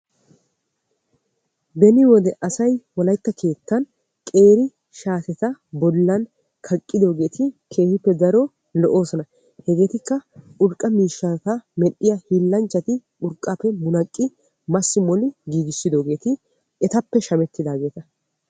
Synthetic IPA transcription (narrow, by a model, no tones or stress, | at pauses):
bɛnɪwɔd̪ɛʔɐsɐjwɔlɐjt̪ːɐkʰe̞ːt̪ːɐn | kʼe̞ːɾɪ | ʃaːsɛt̪ɐbɔlːɐn | kʰɐkʼːɪd̪o̞ːɡe̞ːt̪ʰɪkʰe̞ːhɪpːɛd̪ɐɾɔ | lɔʔo̞ːsɔnɐ | hɛɡe̞ːt̪ɪkːɐʔʊɾkʼːɐmiːʃːɐt̪ɐmɛɗːɪjɐhiːlːɐnt͡ʃːɐt̪ɪ | ʊɾkʼːaːpːɛmʊnɐkʼːɪ | mɐsːɪmɔlɪɡiːɡɪsːɪd̪o̞ːɡe̞ːt̪ɪ | ɛt̪ɐpːɛʃɐmɛt̪ʰːɪd̪aːɡe̞ːt̪ɐ